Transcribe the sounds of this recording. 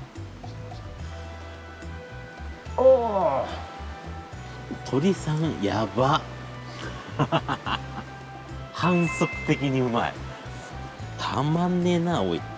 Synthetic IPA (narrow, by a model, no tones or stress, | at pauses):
o | t̪ʰo̞ɾʲisãŋjaba | hãɰ̃sokɯ̥t̪e̞kʲiɲ̟iɯ̟ma̰ḭ | t̪ʰamãnːenao̰i